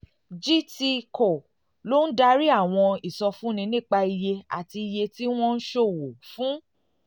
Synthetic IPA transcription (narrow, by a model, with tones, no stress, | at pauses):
d͡ʒi˦ti˧ko˨ | lo˦n̩˦da˧ɾi˦a˦˨w̃ɔ̃˧i˨sɔ˧fũ˦nĩ˧nĩ˦˨k͡pa˧i˧je˧a̰˨ti˧i˧je˧ti˦w̃ɔ̃˦n̩˦ʃo˦˨wo˨fũ˦